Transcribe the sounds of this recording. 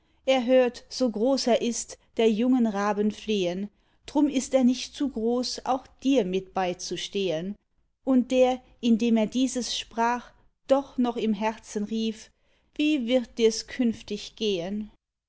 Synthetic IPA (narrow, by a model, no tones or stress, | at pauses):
ʔeːɐɦøːɐtz̥oːɡʁoːseːɐʔɪstd̥eːɐjʊŋənʁaːbənfleːən | d̥ʁʊmɪsteːɐnɪçtt͡suːɡʁoːsa̰ʊxd̥iːɐmɪt̚b̥aɪt͡suʃteːən | ʔʊnt̚d̥eːɐ | ʔɪndeːmeːɐdiːzəsʃpʁ̥aːχ | d̥ɔχnɔχɪmɦɛʁt͡sən̩ʁiːf | v̥iːvɪɐt̚d̥iːɐskʰʏnftɪçɡ̥eːən